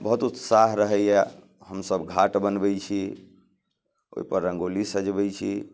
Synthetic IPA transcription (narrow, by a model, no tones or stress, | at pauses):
bəɦut̪ut̪saɦɾəɦɛjjɛ | həmsəbɡʱaʈbənbɛjt͡ʃʰi | o̰ipəɾːəŋɡolisəd͡ʒbɛjt͡ʃʰi